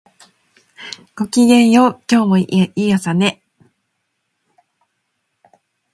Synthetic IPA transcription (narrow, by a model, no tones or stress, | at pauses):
ɡ̥o̞kʲiɡẽ̞ɰ̃joːkʲo̞ːmoiasane̞